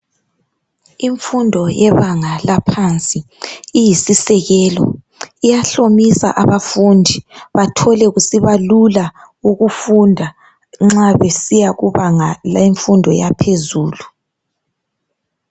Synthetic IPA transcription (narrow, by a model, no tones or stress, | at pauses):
iɱfundʱɔjɛβaŋalapʰant͡sʼi | ijisisɛɣɛːlɔ̰ | ijaɬomisa̰ʔaβafundʱiβatʰɔlɛɣusiβalula | uɣufundʱa | ŋ͡ǁaβesijaɣuβaŋalaiɱfundʱɔjapʰezuːlu